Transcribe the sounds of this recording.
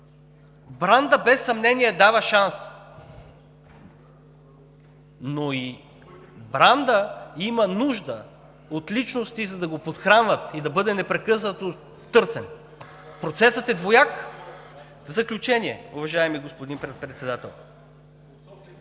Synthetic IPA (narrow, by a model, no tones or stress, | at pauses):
bɾand̪əbɛsːɐmnɛniɛd̪avəʃans | noi | bɾand̪əimənuʒd̪ə | ot̪lit͡ʃnost̪izɐd̪ɐɡopot̪xɾanvət̪id̪ɐbɤd̪ɛnɛpɾɛkɤsnət̪o | t̪ːɤɾsɛn | pɾot̪sɛsət̪ɛd̪vojak | vzɐklʲut͡ʃɛniɛ̰ʊvɐʒaɛmiɡospod̪inpɾɛpɾɛt̪sɛd̪at̪ɛlˠ